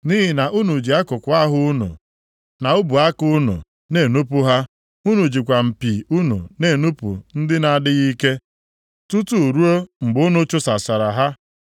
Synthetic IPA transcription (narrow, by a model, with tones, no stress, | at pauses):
ni˦ɦɪ˨na˨ʔu˦nu˨d͡ʒi˨a˦kʊ˨kʷʊ˨a˦ɦʊ˦ʊ˦nṵ˨ | na˨ʊ˦bu˨a˦kʊ˦nṵ˨ | ne˨nu˦pʊ˦ɦa˦ | u˦nu˨d͡ʒi˨kʷa˨m̩˨pi˨u˦nṵ˨ne˨nu˦pṵ˨n̩˦dɪ˦na˨dɪ˦ɣi˦ke˦ | tu˦tu˦˨ɾu˦o˦ŋ͡m̩˨ɡ͡bʊ˦nʊ˦t͡ʃʊ˦sa˨sa˨ɾa˨ɦa˦